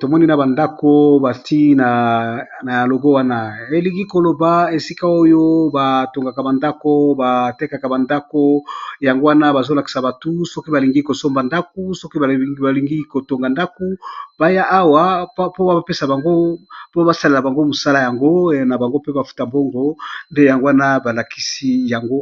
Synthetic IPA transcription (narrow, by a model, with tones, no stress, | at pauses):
to˨mɔ˦ni˦na˨ba˨nda˦ko˦ba˨ti˦na˨ | na˨ja˨lo˨ɡo˦wa˦na˨e˨li˨ŋɡi˦ko˨lo˨ba˨e˨si˦ka˦o˦jo˦ba˨to˨ŋɡa˨ka˨ba˨nda˦ko˦ba˨tɛ˦ka˨ka˨ba˨nda˦ko˦ja˨ŋɡo˦wa˦na˦ba˨zo˦la˨ki̥˨sa˨ba˨tu˦sɔ˦ki˦ba˨li˨ŋɡi˦ko˨so˦mba˨nda˦k̚u˦so˦ki˦˨ba˨li˨ŋɡi˦ko˨to˨ŋɡa˨nda˦ko˦ba˦ja˦ʔa˦wa˦po˦ba˦ba˨pe˦sa˨ba˨ŋɡo˦po˦ba˨sa˦le˨la˨ba˨ŋɡo˦mo˨sa˦la˦ja˨ŋɡo˦na˨ba˨ŋɡo˦pe˦ba˨fu̥˦ta˨mbo˦ŋɡo˨nde˦ja˨ŋɡo˦wa˦na˦ba˨la˨ki̥˨si˦ja˨ŋɡo˦